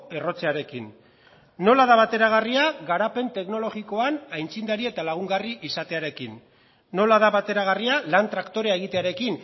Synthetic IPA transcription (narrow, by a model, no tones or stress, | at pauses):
e̞ro̞t͡se̞aɾe̞kinː | o̞laðaβat̪e̞ɾaɣ̞ariaɣaɾape̞nt̪e̞kno̞lo̞ɣiko̞anajnt͡sind̪aɾie̞t̪alaɣ̞uŋɡariʔisat̪e̞aɾe̞kinː | o̞laðaβat̪e̞ɾaɣ̞arialant̪ɾakt̪o̞ɾe̞ae̞ɣ̞it̪e̞aɾe̞kin